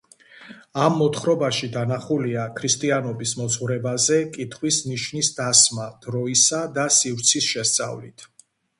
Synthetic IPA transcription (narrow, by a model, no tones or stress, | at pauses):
amːɔt̪ʰχɾɔbaʃid̪anaχuliakʰɾist̪ʼianɔbismɔt̪sʰʼʁɾɛbazɛkʼit̪ʰχwisniʃnisd̪asmad̪̥ɾɔisad̪asivɾt̪sʰisʃɛst̪sʼa̰vlit̪ʰ